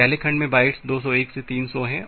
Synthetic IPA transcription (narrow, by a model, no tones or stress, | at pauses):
ɛɦlekʰɐ̃ɳɖmẽbaːɪʈsd̪oːsɔeːkset̪iːnsɔɦɛ̃